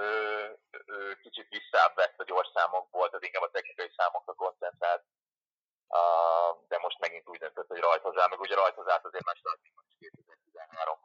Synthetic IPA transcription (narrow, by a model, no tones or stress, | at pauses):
øː | øːkit͡ʃit̪ʋisːaːbvɛt̪ːɒɟo̞rʃsaːmo̞k̚bo̞lt̪ɒt̪iŋkaːbɒt̪ɛknikɒjisaːmo̞krɒko̞nt̪sɛnt̪raːlt̪̚ | d̪ɛmo̞ʃt̪mɛɡint̪uːɟd̪ønt̪øt̪ːho̞ɟrɒjt̪ozaːmɛɡuːɟɾɒjt̪ozaːt̪ɒzeːɾmaːʃod̪ak̪nikmoikeːt̪ɛzɛːrt̪izɛnɦaːɾo̞̰m